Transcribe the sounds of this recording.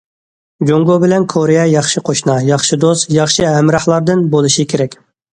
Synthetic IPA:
d͡ʒoŋɡobɪlɛnkʰoɾejɛjɑχʃɨqʰoʃnɑjɑχʃid̪ost̪jɑχʃɨɦɛmɾɑχlˠɑɾd̪ɨnbolˠɨʃikʲʰeɾɛkʲ

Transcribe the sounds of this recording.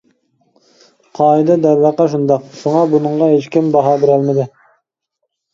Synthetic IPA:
qʰɑːid̪ɛd̪æɾːæqɑʃ̬und̪ɑqʃoŋɑbunɨŋʁɑɦet͡ʃkʲimbɑɦɑːbɪɾælmɪd̪ɪ

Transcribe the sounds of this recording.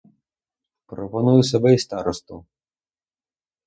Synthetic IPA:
pɾɔpɔnujʊsɔbɛist̪ɑɾɔst̪u

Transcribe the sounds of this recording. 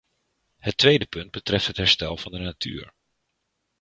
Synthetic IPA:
hətʋejdəpɵnd̚bətrɛftɦətɦɛɹstɛlˠv̥ɑndənatʰy̰ːɹ

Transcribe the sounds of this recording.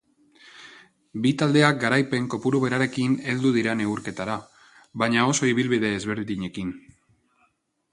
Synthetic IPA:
bit̪ald̪e̞ak̚ɡaɾajpe̞ŋko̞puɾuβe̞ɾaɾe̞kine̞ld̪uðiɾane̞uɾke̞t̪aɾa | βaɲao̞so̞iβilβið̞e̞ːzβe̞ɾðiɲe̞kin

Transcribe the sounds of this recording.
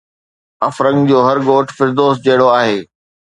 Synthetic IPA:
ɐfɾɐ̃ŋɡd͡ʑoːɦɐɾɡoːʈʰfɪɾd̪oːs̚d͡ʑɐɦɪɽoaːɦeː

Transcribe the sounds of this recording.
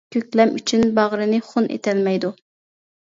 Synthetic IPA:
kʲʰøkʲlɛmyt͡ʃʰynbɑʁɾɨnɨχʊnʔḛt̪ʰɛlmɛjd̪u

